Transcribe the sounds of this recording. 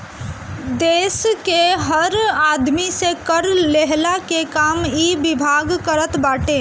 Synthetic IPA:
d̪eːskeɦəɾaːd̪misekəɾleɦlakekaːmibɪbʱaːɡkəɾət̪baːʈe

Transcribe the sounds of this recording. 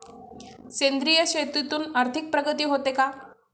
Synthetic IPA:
ɕend̪ɾijəɕet̪ɾit̪uːnaɾt̪ʰik̚pɾəɡət̪iːɦot̪eka

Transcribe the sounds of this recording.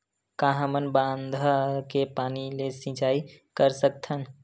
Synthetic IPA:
kãːɦãmənbãːnd̪ʱakepaːnilesɪ̃t͡ʃaːikəɾsək̚t̪ʰən

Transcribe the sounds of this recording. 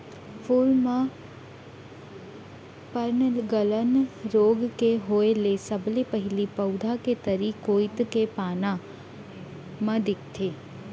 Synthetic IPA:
fʰuːlmã | pəɾnɡələnɾoːɡkeɦoːelesəblipəɦɪlipɐʊd̪ʱaket̪əɾikoːjɪt̪kepaːnã | mãd̪ɪk̚t̪ʰeː

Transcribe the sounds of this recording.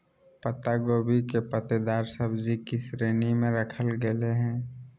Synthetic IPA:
pət̪aɡoːbikepət̪ed̪aːɾsəbd͡ʒikisɾeːnimẽɾəkʰəlɡeleɦɛ̃ː

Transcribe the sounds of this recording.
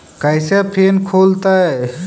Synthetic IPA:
kajsapʰeːnkʰoːlt̪ae

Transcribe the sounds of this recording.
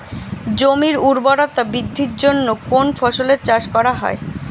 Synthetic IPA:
d͡ʑomiɾuɾboɾat̪abid̪ʱːiɾd͡ʑonːokonfɔʃoleɾt͡ɕaʃkɔɾaɦɔ̰e

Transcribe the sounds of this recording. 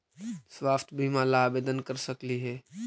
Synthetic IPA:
swaːft̪ʰbʱimãlaːbeːd̪ənkəɾsəkliɦɛː

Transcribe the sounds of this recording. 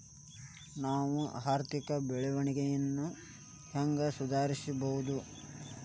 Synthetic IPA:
naːʋuaːɾt̪ikɐbɛɭɛʋɐɳiɡejɐnːu | hɐŋɡɐsud̪ʱaːɾisibɐʋud̪u

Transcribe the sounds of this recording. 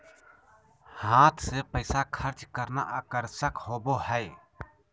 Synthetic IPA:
hãːt̪ʰsepəɪsakʰəɾt͡ʃkəɾna̰ʔaːkəɾsəkhoːboɦəɪ

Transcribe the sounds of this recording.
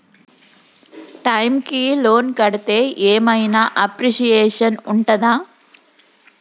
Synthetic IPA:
ʈɐjmkilo̞ːnkɐɽɐt̪e̞ːʔeːmɐjnaʔɐpɾiʃijeːʂɐnuɳʈɐd̪aː

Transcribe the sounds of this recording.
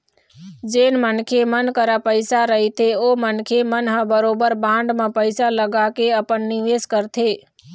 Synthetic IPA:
d͡ʒenmənkʰemənkəɾapəjsaɾəɦit̪ʰeomənkʰemənɦə̃bəɾobəɾbãɳɖmãpəjsaləɡakeəpəɳːiʋeskəɾt̪ʰe

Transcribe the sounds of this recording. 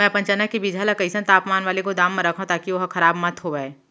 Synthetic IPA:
mɛ̃ːpɐ̃ɲt͡ʃənakibiːd͡ʒʱaːlakɐɪsə̃nt̪aːpmaːnʋaːlekod̪aːmːẽɾɐkʰõt̪aːkiʋɐɦxʰɐɾaːbmɐt̪ɦoʋaeː

